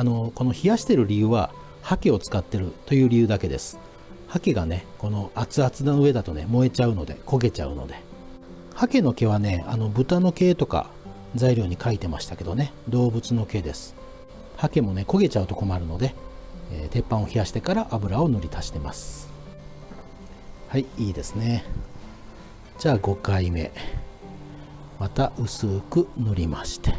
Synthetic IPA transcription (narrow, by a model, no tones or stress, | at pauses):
ano̞ko̞no̞çijaɕi̥t̪e̞ɾɯ̟ɾʲijɯ̟ːβa | hake̞o̞t͡sɨ̥kat̪ːe̞ɾɯ̟t̪o̞jɯ̟ːɾʲijɯ̟ːd̪ake̞d̪e̞̰sɨ̥ | hake̞ɡane̞ko̞no̞at͡sɨat͡sɨd̪anoɯe̞d̪at̪o̞ne̞mo̞e̞t͡ɕaɯ̟no̞d̪e̞̰ko̞ɡe̞t͡ɕa̰ɯ̟̰no̞̰d̪e̞ | hake̞no̞ke̞β̞ane̞ano̞bɯ̟t̪ano̞ke̞ːt̪o̞ka̰ | d͡zaiɾʲjo̞ːɲ̟ikait̪e̞maɕi̥t̪ake̞d̪o̞ne̞d̪o̞ːbɯ̟t͡sɨno̞ke̞d̪e̞sɨ̥ | hake̞mo̞ne̞ko̞ɡe̞t͡ɕaɯ̟t̪o̞ko̞maɾɯ̟no̞d̪e̞eːt̪e̞pːão̞çiaɕi̥t̪e̞kaɾaʔabɯ̟ɾao̞no̞ɾʲit̪ʰaɕi̥t̪e̞masɨ̥ | haiiːd̪e̞sɨne̞ | d͡ʑaːɡo̞kaime̞̰ | mat̪aʔɯ̟sɨːkɯ̟no̞ɾʲimaɕi̥t̪e̥